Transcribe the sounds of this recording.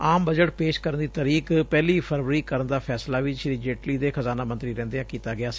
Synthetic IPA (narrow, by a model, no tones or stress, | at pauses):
aːmbəd͡ʒəʈpeːʃkəɾənd̪iːt̪əɾiːkpɛːliːpʰəɾʋəɾiːkəɾənd̪aːpʰɛːslaːʋɪt͡ʃʃɾiːd͡ʒeːʈliːd̪eːxəzaːnaːmə̃nt̪ɾiːɾɛ̃ːnd̪eãːkiːt̪aːɡɪaːsː